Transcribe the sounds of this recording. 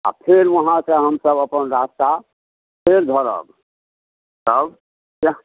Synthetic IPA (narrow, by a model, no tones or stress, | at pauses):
a̰pʰeɾʋəɦãsə̃ɦəmsəbəpənɾast̪a | pʰeɾd̪ʱəɾə̰b̚ | səb | ka